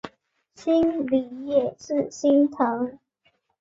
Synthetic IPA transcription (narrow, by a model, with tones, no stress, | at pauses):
ɕi˥nli˨˩˦jɛ˥˩˨ʂɹ̩˥˨˩ɕi˥nt̪ʰə˨˧˥ŋ